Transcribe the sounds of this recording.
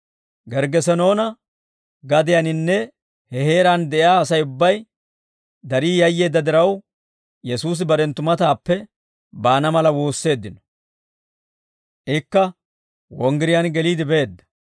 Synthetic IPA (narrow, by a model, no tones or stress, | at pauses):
ɡɛɾɡɛsɛno̞ːnɐ | ɡɐd̪ɪjɐnɪnːɛ | hɛhe̞ːɾaːnd̪ɛʔjaːsɐjʊbːɐj | d̪ɐɾiːjɐjːe̞ːd̪ːɐd̪ɪɾɐw | jɛsuːs̬ɪbɐɾɛnt̪ːʊmɐt̪aːpːɛ | baːnɐmɐlɐwoːsːe̞ːd̪ːɪnɔ̥ | ʔɪkːɐ | wɔŋɡɪɾɪjanɡɛliːd̪ɪbe̞ːd̪ːɐ̥